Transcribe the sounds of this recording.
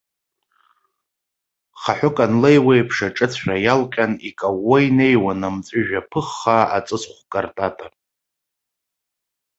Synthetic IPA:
χaħʷʊkʼanlejwejpʰʂaʈ͡ʂʼɨt͡sʰrajalqʲʼanikʼawːojne̞jwanamt͡sʼʊʒᶣapʰɨχːaat͡sʼɨsχʷkʼartʼatʼa

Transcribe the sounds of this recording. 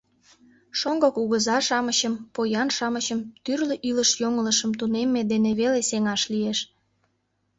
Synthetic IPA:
ʃoŋɡokuɣəzɑʃɑməɕəmpojɑnʃɑməɕəmt̪yrleʔyləʃjoŋələʃəmt̪unemːed̪eneβeleseŋɑʃlieʃ

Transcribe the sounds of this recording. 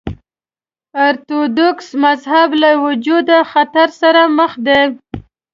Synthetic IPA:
aɾt̪od̪oksmazhablawʊd͡ʒud̪axat̪aɾsaɾaməxd̪e

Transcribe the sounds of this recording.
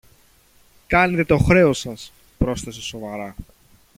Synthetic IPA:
kɐnet̪e̞t̪o̞xɾe̞o̞sɐs | pɾo̞sθe̞se̞so̞vɐɾɐ

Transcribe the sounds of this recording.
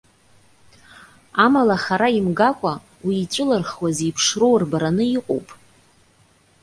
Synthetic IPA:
amalaχaɾaimɡakʷʼa | wiːt͡ʃʷʼʊlarχwazipʰʂro̞wrbaɾanɨiqʼo̰wpʼ

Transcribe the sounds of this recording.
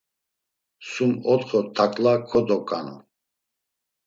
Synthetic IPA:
sumɔt̪χɔt̪ʰakʼlakʰɔd̪ɔkʼa̰nṵ

